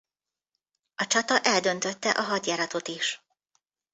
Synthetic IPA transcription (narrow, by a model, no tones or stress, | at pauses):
ɒt͡ʃɒt̪ɒʔɛld̪ønt̪øt̪ːɛʔɒɦɒɟjaːɾɒt̪o̞t̪iʃ